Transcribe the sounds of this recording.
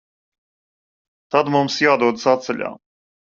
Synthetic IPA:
t̪ad̪mumsjaːd̪uɔd̪sat̪sɛlʲa̰ː

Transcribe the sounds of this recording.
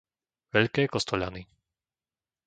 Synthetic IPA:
ʋɛʎkɛːkɔst̪ɔʎa̰ni

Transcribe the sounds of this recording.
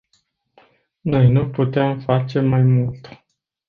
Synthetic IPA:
no̞jnuput̪eamfat͡ʃe̞majmult̪

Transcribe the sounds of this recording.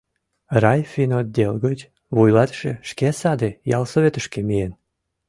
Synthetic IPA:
rɑjfʲinod̪̚d̪ʲelˠɣətʲ | βujlɑt̪ʃeʃkesɑd̪ejɑ̰lˠsoβʲet̪əʃkemijen

